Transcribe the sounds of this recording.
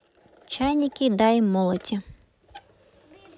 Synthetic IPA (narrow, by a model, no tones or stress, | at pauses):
t͡ʃajnʲikʲid̪ɑjmɔlˠɔtʲɐ